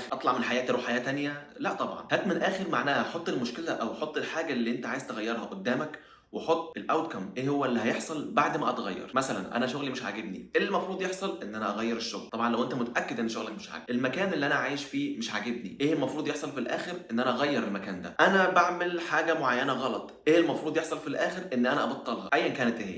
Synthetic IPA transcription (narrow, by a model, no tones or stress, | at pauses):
ʔɑt̪ˤlɑʕmenħajæːt̪ɾuːħajæːt̪ænjælæʔt̪ˤɑbʕɑ̰nhæːt̪menʔæːxeɾmaʕnæːhæħot̪ˤːelmoʃkelæʔæwħot̪ˤːelħaːɡælːiːʔent̪æʕaːjez̥t̪eɣæjːɑɾˤhɑʔod̪ːæːmæk | weħot̪ˤːʔelʔæwt̪̚kɑmʔeːhowːælːihæjeħsˤɑlbaʕd̪mæʔɑt̪ɣæjːɑ̰ɾˤmæsælænʔæ̰næʃoɣlimeʃʕa̰ɡebnḭʔeːlmɑfɾuːd̪ˤjeħsˤɑlʔenːʔænæʔɑɣæjːeɾeʃːoɣlt̪ɑbʕɑnlæwʔent̪æmot̪æʔækːed̪ʔenːʃoɣlækmeʃʕa̰ːɡ̚ʔelmækæːnelːiʔænæʕaːjeʃfiːmeʃʕaɡebnḭʔeːʔelmɑfɾuːd̪ˤjeħsˤɑlfilʔæ̰ːxeɾʔenːʔænæʔɑɣæjːɑɾelmækæːnd̪æ̰ʔænæbaʕmelħaːɡæmoʕajːænæɣɑlɑt̪ˤʔeːlmɑfɾuːd̪ˤjeħsˤɑlfilʔæːxeɾʔenːʔænæʔɑbɑt̪ˤːɑlhɑʔæjːænkæːnet̪ʔehḛː